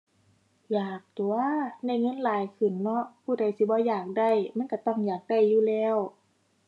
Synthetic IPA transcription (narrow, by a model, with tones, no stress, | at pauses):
jaː˨˩k̚t̪u˨˩˦ɐna˧˩jŋɤ˧˥˨nlaː˨˦jkʰɯ˨˩nlɔ˧˥ʔpʰuː˧˩da˧˩jsi˧˦bɔː˧˦jaː˨˩k̚da˧˩jma˧˥˨nka˧˩t̪ɔ˧˩˨ŋjaː˨˩k̚da˧˩jːuː˧˨lɛː˧˩˨w